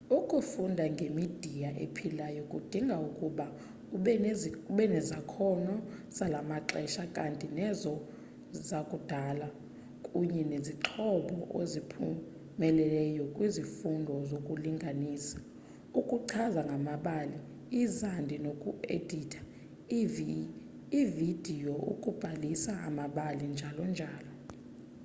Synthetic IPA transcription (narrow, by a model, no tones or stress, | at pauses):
ukʼufundʱaŋɡʱemid̥ʱijaʔḛpʰilajɔkʼud̥ʱiŋɡʱaukʼuɓa | uɓɛnɛzakʰɔnɔsalamaǁɛʃakʼantʼinɛzɔ | zakʼud̥ʱala | kʼuɲɛneziǁʰɔɓɔʔozipʰu | mɛlɛɛjɔkʼwizifundʱɔzokʼuliŋɡʱaniːsḁ | ukʼuǀʰazaŋɡʱamaɓali | izandʱinokʼuḛd̥ʱitʰḁ | ivid̥ʱijɔʔṵkʼub̥ʱalisaa̰maɓalind͡ʒʱalɔnd͡ʒʱaːlɔ